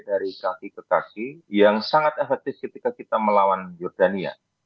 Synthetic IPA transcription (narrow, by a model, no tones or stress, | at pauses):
daɾikakikəkakijaŋsaŋat̪ɛfɛk̚t̪ɪfkət̪ikakit̪aməlawanjɔrdania̰